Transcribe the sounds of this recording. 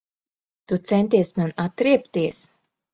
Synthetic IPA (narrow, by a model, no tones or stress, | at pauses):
t̪ut̪sɛnt̪iɛsmanat̪ːɾiɛpt̪iɛs